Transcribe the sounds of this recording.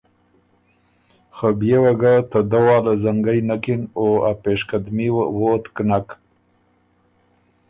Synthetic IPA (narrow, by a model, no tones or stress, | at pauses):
xabjewaɡat̪ad̪awɑːlazaŋɡajnakɪnoapeːʃkad̪miwwot̪knak